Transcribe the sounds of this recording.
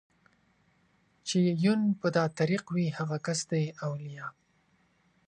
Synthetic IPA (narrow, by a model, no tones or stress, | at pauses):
t͡ʃejunpəd̪ɑt̪aɾiqwihaɣakasd̪ajawlijɑ